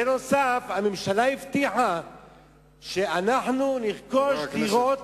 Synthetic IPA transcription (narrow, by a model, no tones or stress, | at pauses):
eno̞safhamemʃalaift̪iħa | ʃe̞anaħnuniʁkoʃdiʁo̞t̪